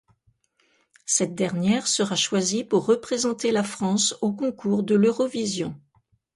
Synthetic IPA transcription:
sɛt̪̚d̪ɛʁnjɛʁsəʁaʃwazipuʁːəpχezɑ̃t̪elafχɑ̃sokɔ̃kʰuʁd̪əløʁɔvizjɔ̃

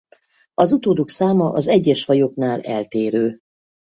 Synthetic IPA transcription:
ɒzut̪oːd̪oksaːmɒʔɒzɛɟːɛʃhɒjo̞knaːlɛ̰lt̪eːɾøː

